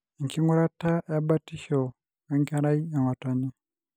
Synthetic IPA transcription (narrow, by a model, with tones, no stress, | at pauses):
i˨ŋki˦ŋu˦ɾa˦ta˦a˦ba˦ti˦ʃo˨ | e˦ŋka˦ɾa˦i˦a˨ŋwa˨ta˨ni˦